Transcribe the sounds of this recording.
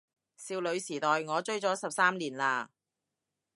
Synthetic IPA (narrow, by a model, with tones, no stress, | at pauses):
siː˧wlɵ˨˧ɥsiː˨˩t̪ɔː˨jŋɔː˨˧t͡ʃɵ˥ɥt͡sɔː˨˥sɐ˨p̚saː˥mliː˨˩nlaː˧